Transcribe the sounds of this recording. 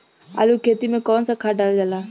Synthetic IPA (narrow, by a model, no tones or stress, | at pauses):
a̰lukʰet̪imẽkɔːnsakʰaɖald͡ʒalaː